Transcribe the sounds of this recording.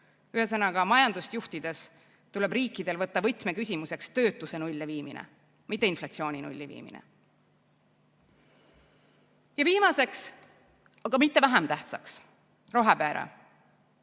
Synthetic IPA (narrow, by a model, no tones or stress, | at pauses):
yɦe̞s̬ɤnɑɡ̥ɑmɑjɑnd̪̥ust̪juht̪id̪̥e̞s | t̪ule̞briːkːid̪̥e̞lvɤt̪ːɑvɤ̞jt̪me̞kysʲimuse̞kst̪ø̞ːt̪ːˑuse̞nulʲːeviːmḭnʔḛ | mit̪ˑːeinflɑt̪sio̞ːnʲinṵlʲːivḭːmḭnḛ | jɑviːmɑse̞ks | ɑɡ̥ɑmit̪ːe̞væɦemt̪æht̪sɑ̰ks | ro̞ɦepæːɾɑ̰